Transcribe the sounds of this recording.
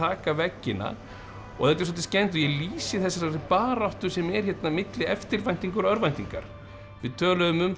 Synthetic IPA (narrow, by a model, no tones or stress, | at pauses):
aːkavɛcːɪna̰ | ɔ̰ɣθɛt̪aɾs̬ɔt̪ɪ̥scɛnt̪̬ɔjɛɣliːsɪθɛsːasaɾɪpaːɾawht̪ʏ̥sɛmɛɾ̥çɛt̪namɪt̪lɪɛft̪ɪɾvajn̥t̪iŋkʏɾœɾvajn̥t̪iŋka̰ɾ̥ | vɪðt̪ʰœːlʏðʏmʏm